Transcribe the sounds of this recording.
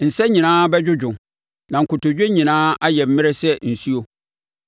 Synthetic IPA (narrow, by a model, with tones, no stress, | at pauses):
n̩˨sɛ˦ɲĩ˨nãː˦bɛ˦d͡ʑᶣʊ˦d͡ʑᶣʊ̃˨ | nã˨ŋ̩˨kʰʊ˨tʊ˨d͡ʑᶣe˦ɲĩ˨nãː˦a˦jɛ˨m̩˦mɪ̃˦ɾɪ˦sɛ˦n̩˨su˦o˦